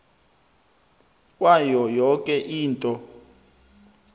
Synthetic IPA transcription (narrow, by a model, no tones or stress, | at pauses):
kʼwajɔjɔkʼɛʔiːntʼɔ